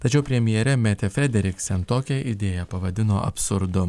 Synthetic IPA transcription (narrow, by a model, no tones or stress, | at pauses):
t̪ɐt͡ʃʲɛʊpʲɾʲɛmʲjɛɾʲɛmʲæːt̪ʲɛfʲɾʲɛd̪ʲɛɾʲɪksʲɛnt̪oːkʲɛʔɪd̪ʲeːjɛpɐʋɐd̪ʲɪnoːʔɐ̰pʲsʊɾd̪ʊ